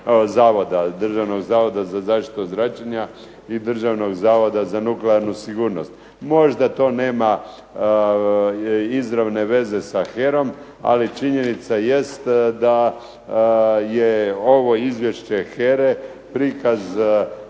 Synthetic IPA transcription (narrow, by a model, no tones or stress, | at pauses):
zaːʋo̞d̪ad̪r̩ʒaʋno̞ɡzaːʋo̞d̪azazaːʃt̪i̥t̪uzɾat͡ʃaɲa | id̪r̩ʒaʋno̞ɡzaːʋo̞d̪azanukleaɾnusiɡuːɾno̞st̪ | mo̞ʒd̪at̪o̞ːne̞ːma | izɾaʋne̞ʋe̞ze̞saxeɾo̞m | a̰lit͡ʃiɲe̞nit̪saje̞st̪d̪a | jeoʋo̞izʋje̞ʃt͡ɕe̞xeɾe | pɾikaz